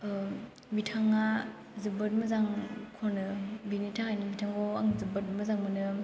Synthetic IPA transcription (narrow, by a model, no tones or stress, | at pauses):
mitʰaŋa | zɯbɯt̚məzaŋkʰonɯbinitʰahajnɯmitʰaŋɡoaŋzɯbət̚məzaŋmɯnɯ